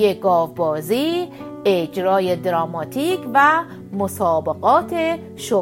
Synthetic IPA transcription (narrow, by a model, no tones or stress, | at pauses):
eɡɒːvbɒːziː | ed͡ʒɾɒːjed̪ɾɒːmɒːt̪ʰiːkʰvæ | mosɒːbeɣɒːt̪ʰe | ʃo